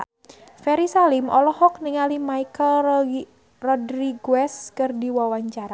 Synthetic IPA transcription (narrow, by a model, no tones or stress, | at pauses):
fɛɾisalimɔlɔhɔk̚niŋalimaikəl | rɔdɾiɡwɛskɨrdiwawaɲt͡ʃaɾa